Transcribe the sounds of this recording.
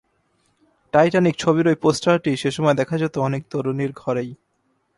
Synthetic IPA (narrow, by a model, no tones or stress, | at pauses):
ʈajʈanik̚t͡ɕʰoβiɾojposʈaɾʈiʃeʃɔmɔed̪ɛkʰad͡ʑat̪oɔnek̚t̪oɾoniɾɡʱɔɾej